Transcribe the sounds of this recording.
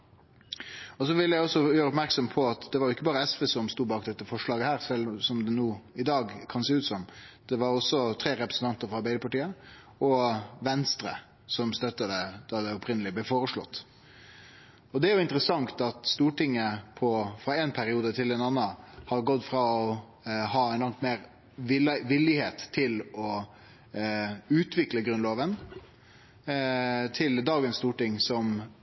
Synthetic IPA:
ɔsɔʋɪləjæɪɔsɔjøːɾəɔpmæɾksɔmpʰɔɑt̪d̪ɛʋɑɾjʊɪkːəbɑːɾəɛsʋɛsɔmst̪uːbɑːkd̪ɛt̪ːəfɔʂɭɑːɡəhæːɾsɛlsɔmd̪ɛnuːɪd̪ɑːɡkʰɑnseːʉːt̪sɔmd̪̥ɛʋɑɾɔsɔt̪ʰɾeːɾɛpɾəsn̩t̪ɑnt̪əɾfɾɔɑɾbæɪd̪əpɑʈiːə | ɔʋɛnst̪ɾə̰ | sɔmst̪œt̪ːɑd̪ɛd̪̥ɑd̪ɛɔpɾɪnəlɪblɛfoːɾəʂɭɔ̰t̪ː | ɔd̪ɛæɾjʊɪnt̪əɾəsɑŋt̪ɑt̪st̪uːʈɪŋːəpʰɔfɾɑɛnpʰæɾɪuːd̪ət̪ʰɪlɛnɑnːɑhɑɾɡɔd̪ːfɾɑɔ | hɑːæɪnlɑŋt̪meːɾ | ɪʋɪlɪheːt̪ʰːɪlɔ | ʉːt̪ʰʋɪkləɡɾʉnloːʋən | t̪ʰɪld̪ɑːɡənst̪uːʈɪŋsɔm

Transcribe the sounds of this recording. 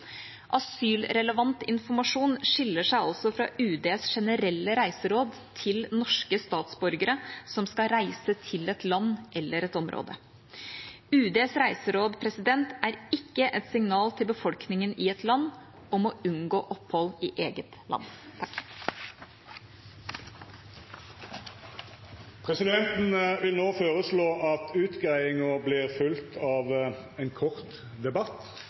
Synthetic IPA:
ʔɑsyːlɾɛləʋɑnt̪ɪnfɔmɑʂuːnʂɪlːəʂæɪɑlsɔfɾɑ̰ʉːd̪eːsʂɛnəɾɛlːəɾæɪsəɾoːd̪ | t̪ʰɪlnɔʂkəst̪ɑːt̪sbɔɾɡəɾəsɔmskɑɾæɪsət̪ʰɪlɛt̪lɑnːʔɛlːəɾɛt̪ɔmɾʔo̰ːd̪ə | ʉːd̪eːsɾæɪsəɾoːd̪pʰɾɛsɪd̪ɛnt̪æɾɪkːəʔɛt̪sɪŋnɑːlt̪ʰɪlbəfɔlknɪŋənɪɛt̪lɑnː | ɔmoʉnɡoːʔɔphɔlɪːʔeːɡət̪lɑ̰nːt̪ʰɑk | pʰʁɛsɪd̪ɛnt̪n̩ʋɪlnoːføːʁəsloːʔɑt̪ʰʉːt̪ɡʁæɪɪŋəblɪʁfʉlt̪ʰɑːʋɛnkʰɔʁt̪ | d̪ɛbɑt̪

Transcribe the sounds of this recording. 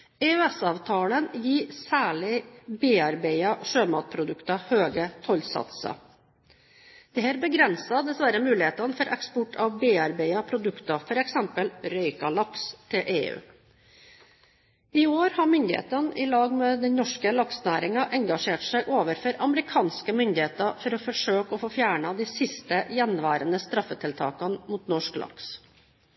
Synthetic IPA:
ɛːʉɛsɑːʋt̪ʰɑːlənjiːsæːɭɪbeːɑɾbeɪɑʂøːmɑ̰ːt̪̚pʰɾʊd̪ʉkt̪ɑhøːɡət̪ʰɔlsɑ̰t̪sɑ̰ | d̪̥ɛhæɾbəɡɾɛnsɑd̪ɛsʋæɾəmʉːlɪheːt̪ɑnfɔɾʔɛkspɔʈʰɑʋbeːɑɾbæɪɑpʰɾʊd̪ʉkt̪ɑfɔɾɛksɛmpəlɾœʏkɑlɑkst̪ʰɪlʔḛːʉ̰ː | ɪoːɾhɑmʏnd̪ɪhḛːt̪ɑnʔɪlɑːɡmɛd̪ɛnnɔʂkəlɑksnæːɾɪŋɑʔɛŋɡɑʂeːʈsæɪʔoːʋəɾfɔɾɑməɾɪkʰɑːnskəmʏnd̪ɪheːt̪ɑfɔɾɔfɔʂøːkɔfoːfjæːɳɑd̪iːsɪst̪əjɛnʋæːɾənəst̪ɾɑfːət̪ʰɪlt̪ʰɑ̰ːkɑnmuːt̪nɔʂklʔɑ̰ks

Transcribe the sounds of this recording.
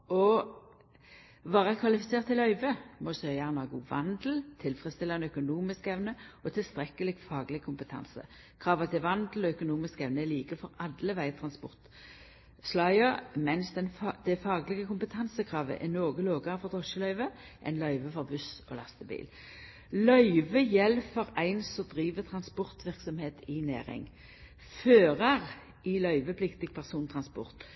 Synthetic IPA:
ɔ | ʋɑːʁəkʰʋɑlɪfɪseːʁt̪ʰːɪlœʏʋəmɔsœjɑɛnɑɡṵːʋɑ̰nd̪l̩t̪ʰɪlfʁəst̪ɪlːɑɛnœkʊnuːmɪskɛʋnəɔt̪ʰɪlst̪ʁɛkːəlɪɡfɑːɡlɪkʰʊmpət̪ʰɑ̰nsə̰ | kʰʁɑːʋɑt̪ʰɪʋɑnd̪l̩ɔœkʊnuːmɪskɛʋnəɛliːkəfɔʁɑd̪ləʋæɪt̪ʰʁɑnspɔʁt̪ | slɑɪəʁmɛnsd̪ɛnd̪̥ɛfɑːɡlɪɡəkʊmpət̪ʰɑnsəkʰʁɑːʋə̰ʔɛnoːɡəloːɡɑʁəfɔʁd̪ʰʁɔʃəlœʏʋə | ʔɛ̰nlœʏʋəfɔʁbʉsɔ̰lɑst̪əbḭːl | lœʏʋəjɛlːfɔʁæɪnsɔd̪ʁiːʋət̪ʰʁɑnspɔʁt̪ʋɪʁksɔmheːt̪ɪnæ̰ːʁɪ̰ŋ | føːʁɑʁ | ɪlœʏʋəpʰlɪkt̪ɪɡ̚pʰæʁsuːnt̪ʰʁɑnspɔ̰ʁt̪

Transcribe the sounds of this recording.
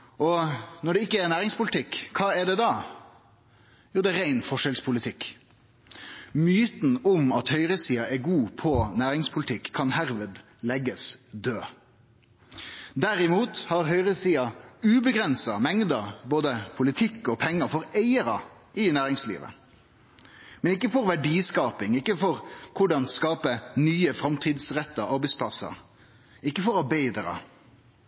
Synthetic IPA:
ʔɔnɔɖɛɪkːəɛɾnæːɾɪŋspʊlɪt̪ʰɪkʰːɑːɛɖ̪ɛd̪ɑ | juːd̪ɛɾæɪnfɔʂɛlspʰʊlɪt̪ʰɪkː | myːt̪n̩ʊmɑt̪hœʏɾəsiːɑɛɡuːpʰɔnæːɾɪŋspʰʊlɪt̪ʰɪkʰːɑnhæɾʋəd̪ | lɛɡəsd̪øː | d̪æɾɪmuːt̪hɑɾɦœʏʁəsiːɑʉːbəɡɾɛnsɑmɛŋd̪əboːd̪əpʰʊlɪt̪ʰɪkːɔpʰɛŋːəɾfɔɾeɪəɾɑ | ʔɪnæːɾɪŋslḭːʋə̰ | mɛnɪk̬ːəfɔɾʋæɖiːskɑːpɪŋɪkːəfɔɾkʰʊɖɑnskɑːpənyːəfɾɑmt̪ʰiːd̪sʁɛt̪ːəɑɾbæɪspʰlɑsɑ̰ | ɪkːəfɔɾɑɾbæɪd̪əɾɑ̰

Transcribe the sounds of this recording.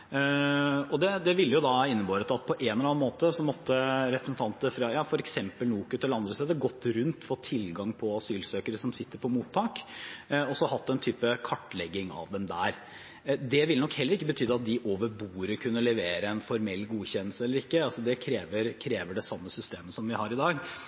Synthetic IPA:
ɔd̪ɛd̪ɛʋɪlːjʊd̪ɑɪnːəbɑːɾət̪ɑt̪̚pʰɔʔenɛlɑnmoːt̪əsɔmɔt̪ːəɾɛpɾəsən̩t̪ʰɑnt̪əfɾɑjɑːfɔɾɛksɛmpəlnuːkʉt̪ʰɛlːəɑnd̪ɾəst̪eːd̪əɡɔt̪ːɾʉnt̪fɔːt̪ʰːɪlɡɑŋpʰɔɑsyːlsøːkəɾəsɔmsɪt̪ːəɾpʰɔmuːt̪ʰːɑːk | ɔsɔhɑt̪ːɛnt̪ʰyːpəkʰɑʈːlɛɡːɪŋɑ̰ʋd̪ɛmd̪æːɾ | d̪ɛʋɪlnɔkhɛlːəɾɪkːəbət̪ʰyːd̪əɑt̪̚d̪ɪʔoːʋəɾbuːɾəkʰʉnːəlɛʋeːɾəɛnfɔɾmɛlːɡuːçɛnəlsəɛlːəɾɪkːəɑlsɔd̪ɛkʰɾeːʋəɾkʰɾeːʋəɖɛsɑmːəsʏst̪eːməsɔmʋɪhɑɾɪd̪ɑːɡ

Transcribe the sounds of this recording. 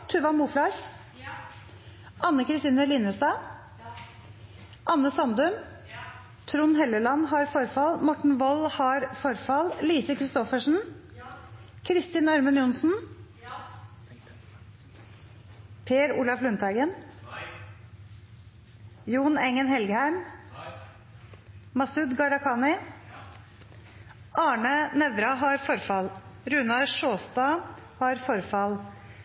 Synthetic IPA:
t̪ʰʉːʋɑmuːflɑɾ | ʔɑnːəkʰɾɪst̪iːnəlɪːnəst̪ɑː | ʔɑnːəsɑnd̪ʉm | t̪ʰɾuːnhɛləlɑnɦɑɾfɔɾfɑlmɔʈɳ̩ʋɔlhɑɾfɔɾfɑlliːsəkʰɾɪst̪ɔfəʂn̩ | kʰɾɪst̪ɪnɑɾmənjʊnsn̩ | pʰeːɾuːlɑflʉnt̪ʰɑɪɡən | juːnɛŋənhɛlɡəhæɪm | mɑsʉd̪ɡɑɾɑkʰɑːnɪ | ʔɑːɳənɛʋɾɑɦɑɾfɔɾfɑlɾʉnɑɾʂoːst̪ɑːhɑɾfɔɾfɑl

